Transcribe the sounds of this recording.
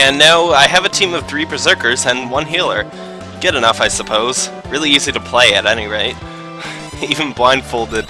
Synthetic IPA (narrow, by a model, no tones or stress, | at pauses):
ɨ̃nːaʊaɪɨvɨtʰĩmʌv̥θɹipʰɹ̥ɨzɜ˞kə˞zɨ̃nwʌ̃nɦilˠə˞ | ɡ̥ɛɾɨnʌfaɪsəpʰoʊz̥ | ɹɪlˠiizliɾəpʰl̥eɪɨɾɛniɹeɪt̚ | ivɨ̃nblãɪ̃nfoʊlˠdɨd̥̚